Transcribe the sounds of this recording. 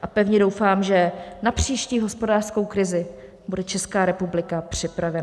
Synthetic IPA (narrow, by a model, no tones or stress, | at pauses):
ʔapɛvɲɛdo̞wfaːmʒɛnapr̝̥iːʃciːɦo̞spo̞daːr̥sko̞wkɾɪzɪ | budɛt͡ʃɛskaːɾɛpublɪkapr̝̥ɪpɾavɛn